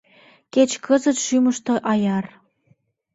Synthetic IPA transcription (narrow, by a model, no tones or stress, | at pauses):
ket͡ɕkʰəzə̆t̪ʃyməʃt̪oʔɑjɑr